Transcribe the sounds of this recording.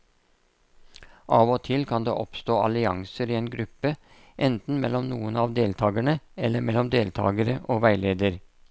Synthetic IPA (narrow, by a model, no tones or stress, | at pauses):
ʔɑːʋoːt̪ʰɪlkʰɑnd̪ḛːʔɔpst̪oːʔɑ̰lɪɑ̰ŋsəɾiːeːnɡɾʉpːə | ʔɛnt̪n̩mɛlɔmnuːənɑːʋd̪eːlt̪ʰɑːɡəɳəɛlːəmɛlɔmd̪eːlt̪ʰɑ̰ːɡəɾəʔoːʋæɪleːd̪əɾ